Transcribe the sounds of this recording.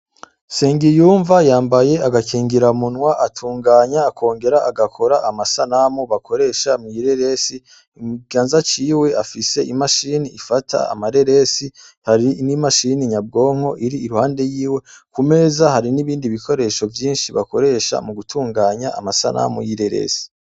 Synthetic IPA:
seːŋɡijuːɱvajaːmbaje̞aɡakʰiːŋɡiɾaumunwaʔatʰuːŋɡaːɲaːkʰo̞ːŋɡe̞ɾaʔaɡakʰo̞ɾaʔamasanamuβakʰo̞ɾe̞ʃamujiɾeɾesi | imuɡaːnzat͡ʃiːwe̞afise̞imaʃiniːfatʰa̰a̰maɾe̞ɾesi | haɾinimaʃiniɲab̚ɡo̞ːŋ̥o̞ʔiɾiːɾuhaːnde̞jiːwe̞kume̞ːzahaɾiniβiːndiβikʰo̞ɾe̞ʃo̞vjiːnʃiβako̞ɾe̞ʃa̰muɡutʰuːŋɡaːɲaa̰masa̰na̰mujiɾe̞ɾḛːsi̥

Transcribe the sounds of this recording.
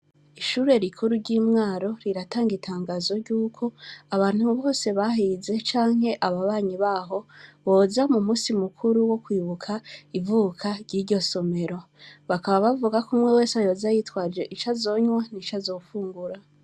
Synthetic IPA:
iʃuːɾe̞ɾikʰuɾuɾɟiːmŋaːɾo̞ɾiɾataːŋɡitʰaːŋɡaːzo̞ɾɟuːkʰo̞aβaːn̥huβo̞ːse̞βaɦize̞t͡ʃaːŋ̥he̞ʔaβaβaːɲiβaːɦo̞βo̞ːzamumusimukʰuɾuwo̞kwiːβukʰaivukʰaɾɟiːɾɟo̞so̞me̞ɾo̞ | βakaβaβavuɡakumwe̞we̞ːsajo̞ːzajitwaːd͡ʒe̞ʔit͡ʃazo̞ːɲwanit͡ʃazo̞ːfuːŋɡuɾa

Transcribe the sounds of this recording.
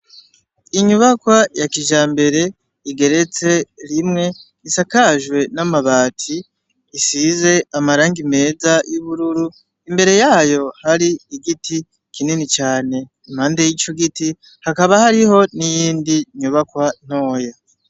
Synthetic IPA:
iɲuβakwajakiʒaːmbe̞ɾe̞ | iɡe̞ɾe̞t͡se̞ɾimŋe̞ | isakaʒwe̞namaβaːtʰiː | size̞amaɾaːŋɡime̞ːzajuβuɾuɾu | imbe̞ɾe̞jaːjo̞haɾiiɡiti | kʰininit͡ʃaːne̞ | im̥haːndejit͡ʃoɡiti | hakaβahaɾiho̞nijiːndiɲuβakwan̥o̞ːja

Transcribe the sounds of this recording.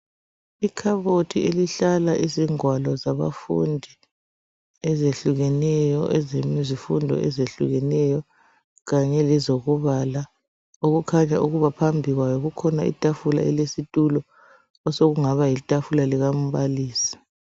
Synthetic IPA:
ikʰaβotʰieliɬalaʔiziŋwalɔzaβa̰fṵndʱi | ɛzeɬuɣɛnɛjɔʔɛzemizifundʱɔ̰ʔɛzeɬṵɣɛnɛjɔ | ɣaɲɛlɛzoɣuβala | oɣukʰaɲaʔuɣuβapʰambʱiɣwajɔɣukʰɔnaḭtʼafula̰ʔɛlesitʼulɔ | ɔsoɣuŋaβajitʼafulaliɣam̩βaliːsi̥

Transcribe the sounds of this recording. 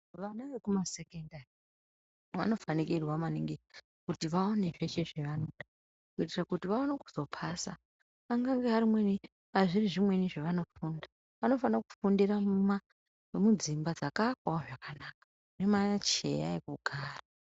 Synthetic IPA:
ʋanaʋe̞kumasekendari | ʋa̰no̞fanikirwamaniŋɡi | kutiʋaoneʐe̞ʃe̞ʐeʋano̞ɗa | kuitirakutiʋaoneku̥zo̞pʰasa | aŋɡaŋɡeɦaɾimwe̞ni | ɦaʐiriʐimwe̞niʐeʋano̞funda | ʋano̞fanaku̥fundirama | mud͡zimbad͡zakakwaoʐakanaːkḁ | nemat͡ʃe̞̰ja̰ekuɡʱaːra

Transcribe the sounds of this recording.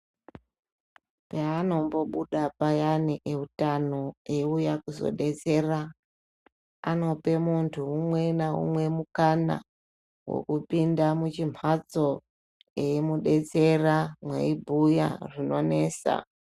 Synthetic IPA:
paːno̞mbo̞ɓuɗapajaniʔeutano̞eujakuzo̞̰ɗe̞t͡se̞ra | ano̞pe̞muntʰuːmwe̞naṵmwe̞mukana̰ | wo̰kupindamut͡ʃimʰat͡so̞ | eimuɗe̞t͡se̞ramwe̞̰ibʱuja̰rino̞ne̞ːsa̰

